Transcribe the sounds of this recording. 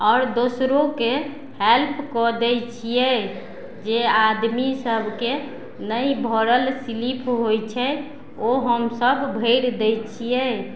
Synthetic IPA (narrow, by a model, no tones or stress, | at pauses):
ɔːɾd̪osɾoke | helpʰkɔd̪ɛjt͡ʃʰijɛ | d͡ʒead̪misəbʱke | nəjbʱɔɾəlsilipʰɦojt͡ʃʰɛ | oɦəmsəbːʱəɪɾd̪ɛjt͡ʃʰijɛ